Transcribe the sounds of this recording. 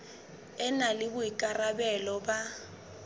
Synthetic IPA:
ɛnalɪbʊikʼarabɛlɔba

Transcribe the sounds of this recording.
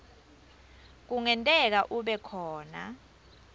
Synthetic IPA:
k̬uŋɛntʼɛk̬aʔuɓɛkʰɔːna̰

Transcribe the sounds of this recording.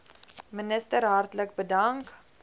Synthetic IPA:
mənəstəɾɦɐrtlək̚bədɐŋk

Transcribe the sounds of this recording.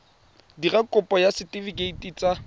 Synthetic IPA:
dirakʼʊpʼɔjasɪtʼifikʼeitʼiːt͡sʼa

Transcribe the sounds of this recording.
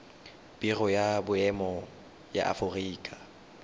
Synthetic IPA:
birɔjabʊɛmɔ | ja̰ʔa̰fʊriːkʼa

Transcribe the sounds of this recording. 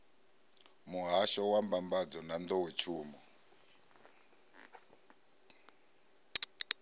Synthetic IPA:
muɦaʃɔwambambad͡zɔnand̪ɔwet͡ʃʰuːmɔ

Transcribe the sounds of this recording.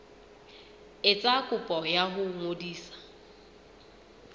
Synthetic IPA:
ɪt͡sʼakʼʊpʼɔjaɦʊŋodiːsḁ

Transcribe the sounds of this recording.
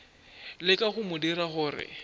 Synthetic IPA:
lɪkʼaχʊmʊdiɾaχʊːrɪ̰

